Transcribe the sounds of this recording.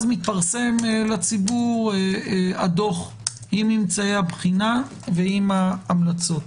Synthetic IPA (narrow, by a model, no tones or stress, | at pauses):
zmit̪paʁse̞mlat͡sibuʁ | ad̪o̞χ | imimt͡sajabχina | veimaːmlat͡so̞t̪